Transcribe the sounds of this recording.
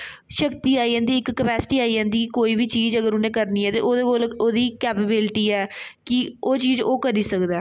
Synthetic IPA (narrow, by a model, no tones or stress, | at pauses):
ʃəkt̪iːaːid͡ʒãːnd̪iːɪkːəpɛːsɪ̥ʈiːaːiːd͡ʒãːnd̪iːkkoːiːbiːt͡ʃiːzəɡəɾʊnẽːkəɾniːɛːt̪ḛːʔoːd̪eːkoːloːd̪iːkɛːpebɪlʈiːɛːkɪoːt͡ʃiːzoːkəɾiːsəkd̪ɛː